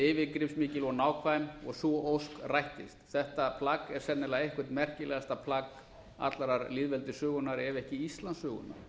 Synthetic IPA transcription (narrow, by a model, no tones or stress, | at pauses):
ɪːvɪkɾɪfsmɪːcɪlɔnaːwkʰvaɪmɔ̰ɣsɔʔowskrajht̪ɪst̪θɛht̪apʰlakɛɾ̥sɛnːɪlaejhkvʏ̥ɾ̥t̪mɛr̥cɪlɛɣast̪apʰlak | a̰t̪laɾaɾliːðvɛlt̪ʏsœːɣʏnaɾɛvɛhcɪist̪lansʏːɣʏ̰nːa̰ɾ̥